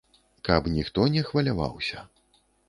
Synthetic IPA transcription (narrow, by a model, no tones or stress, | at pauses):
kɐpnʲixt̪ɔnʲɛxvɐlʲava̰wsʲɐ